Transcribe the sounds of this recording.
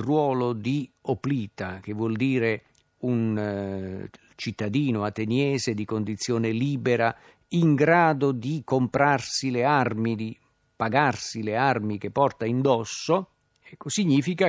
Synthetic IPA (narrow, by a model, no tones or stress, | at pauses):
rwɔːlod̪iopliːt̪ak̟evːwɔld̪iːɾe | un | t͡ʃit̪ːad̪iːnoat̪enjɛːzed̪ikond̪it̪sːjoːneliːbeɾa | iŋɡɾaːd̪od̪ikompɾarsilearmid̪i | paɡarsilearmik̟epːɔrt̪aind̪ɔsːo | ɛkːosiɲːiːfika